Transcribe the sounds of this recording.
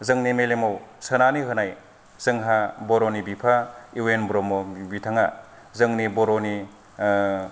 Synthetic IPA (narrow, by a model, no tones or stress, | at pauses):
zɯŋnimelemowsɯnaniɦɯnaj | z̥ɯŋɦaboɾonibipʰaiwenbɾɔmobitʰaŋa | zɯŋniboɾoni